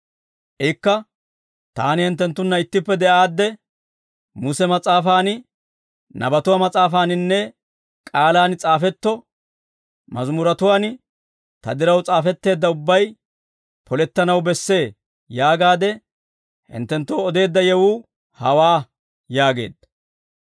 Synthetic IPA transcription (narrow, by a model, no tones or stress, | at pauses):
ʔɛkːɐ | t̪aːnɪhɪnt̪ːɛnt̪ːʊnːɐɪt̪ːɪpːɛd̪ɛʔaːd̪ːɛ | mʊsɛmɐt͡sʼaːfaːn | nɐ̰bɐt̪ʊwamɐt͡sʼaːfaːnɪnːɛ | kʼaːlaːnt͡sʼaːfɛt̪ːɔ | mɐzmʊɾɐt̪ʊwaːn | t̪ɐ̰d̪ɪɾɐwt͡sʼaːfɛt̪ːe̞ːd̪ːɐʊbːɐj | pʰɔlɛt̪ːɐnɐwbɛsːe̞ː | jaːɡaːd̪ɛ | hɪ̰nt̪ːɛnt̪ːoːɔd̪e̞ːd̪ːɐjɛwuː | hɐwaː | jaːɡe̞̰ːd̪ːɐ̥